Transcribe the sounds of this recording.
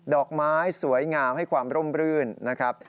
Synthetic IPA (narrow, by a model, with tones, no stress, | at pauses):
dɔː˨˩k̚maː˦˥jsu˩˦əjŋaː˧wha˥˩jkʰwaː˧mɾo˥˩mɾɯː˥˩nːa˦˥kʰɾa˦˥p̚